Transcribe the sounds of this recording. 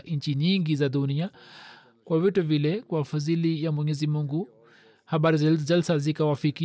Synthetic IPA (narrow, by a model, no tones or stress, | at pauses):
ʔɲ̩t͡ʃiɲiŋɡizaɗunia | kwavituvilɛkwafazilijamwɛɲɛzimuŋɡu | haɓaɾizzɛlsazikawafiki